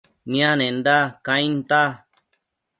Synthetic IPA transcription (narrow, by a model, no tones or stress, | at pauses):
nĩãnẽnd̪akãĩnt̪a